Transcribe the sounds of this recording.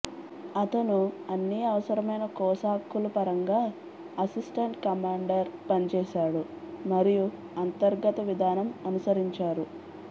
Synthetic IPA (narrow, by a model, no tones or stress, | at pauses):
ɐt̪ɐnuɐnːiɐʋɐsɐɾɐmɐjnɐkɔːsaːkːulupɐɾɐŋɡaː | ɐsisʈɐɳʈkɐmaːɳɖɐɾpɐnit͡ʃɛːʃaːɽu | mɐɾiju | ɐnt̪ɐɾɡɐt̪ɐʋid̪ʱaːnɐmɐnusɐɾiɲt͡ʃaːɾu